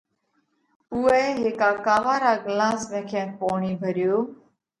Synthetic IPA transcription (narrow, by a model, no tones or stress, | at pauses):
ʊeːɦeːkaːkaːʋaːɾaːɡlaːsmẽːkʰẽːpoːɳiːbʱəɾɪjoː